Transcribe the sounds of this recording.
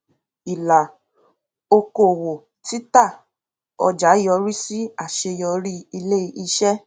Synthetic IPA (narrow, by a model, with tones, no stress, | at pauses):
i˨la˨ | o˧ko˦˨wo˨ | ti˦ta˦˨ | ɔ̰˧d͡ʒa˨˦jɔ˧ɾi˦si˦a˦˨ʃe˧jɔ˧ɾi˦i˧le˦˧i˧ʃɛ˦